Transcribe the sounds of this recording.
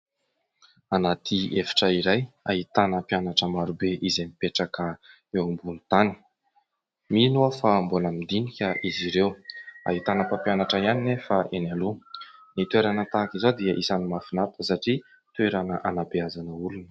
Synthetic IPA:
anat̪ʰiefi̥ʈ͡ʂəiɾaja̰ɦit̪anəpjanaʈ͡ʂəmaɾubeʔizemipeʈ͡ʂakə | ewmbunut̪ani̥ | minoafamboləmid̪inikʲəʔiziɾewa̰ɦit̪anəpapjanaʈ͡ʂəianinefaʔenalunit̪weɾanət̪akʲizad̪iəʔisanimafinat̪ʰəsaʈ͡ʂi | t̪ueɾanəʔanabeazanəulunə̥

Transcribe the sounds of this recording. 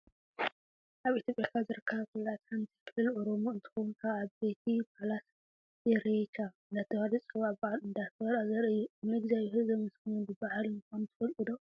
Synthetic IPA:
ʔaβʔit̪ʰjopʼjakʰazɨɾɨkʰːɐβkʰulat̪ant̪ʰi̥kʰɨlɨlʔoɾomuɨnt̪ʰɨ̥xonkʰaːβbet̪ʰipʰalas | jɛɾet͡ʃʰaɨnd̪at̪ʰːɐhaɾit͡sʼɨβaʕbaʕalɨnd̪at̪ɐɾazɐɾʔɨjːuɨmɨɡzajhɨzɐmɨsknunbɨbahalɨnkant̪ʰɨ̥fɐlkʼɨd̪o

